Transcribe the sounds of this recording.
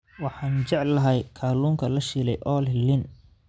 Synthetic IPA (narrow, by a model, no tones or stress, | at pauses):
wɑħɑːnt͡ʃɛʕlːɐɦɛjkʰaːluːŋkʰɐlɐʃiːlɛ̰jʔɔːllːɪn